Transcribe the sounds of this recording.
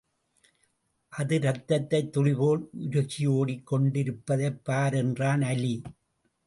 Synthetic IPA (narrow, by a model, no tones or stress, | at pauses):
ʔɐðɯɾɐt̪ːɐt̪ːɐɪt̪ːɔɻɪboːɭʊɾɐɣɪjoːɽikːɔɳɖɪɾɯpːɐðɐpːaːɾɛndraːnɐli